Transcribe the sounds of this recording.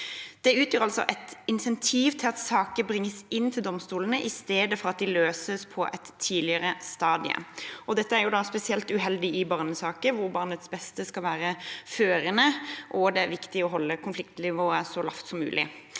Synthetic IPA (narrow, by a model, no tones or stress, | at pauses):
d̪̥ɛʉːt̪ʰjøːʁɑlsɔ̰ʔɛt̪ɪnsɛnt̪ʰiːʋt̪ʰɪlɑt̪sɑːkəbʁɪŋːəsɪnːt̪ʰɪld̪ɔmst̪uːlənəʔɪst̪eːd̪əfɔɾɑt̪̚d̪ɪløːsəspʰɔʔɛt̪ʰːiːlɪəʁəst̪ɑːd̪ɪə̰ɔd̪ɛt̪ːəæɾjʊd̪ɑspɛsɪɛlt̪ʉɦɛld̪ɪɪbɑʁnəsɑːkəʋʊɾbɑʁnət̪sbɛst̪əskɑlʋæːɾəføːɾənəʔɔd̪ɛæɾʋɪkt̪ɪɔɦɔlːəkʰʊnflɪkt̪lɪʋoːəsɔlɑ̰ft̪sɔmːʉ̰ːlʔɪ̰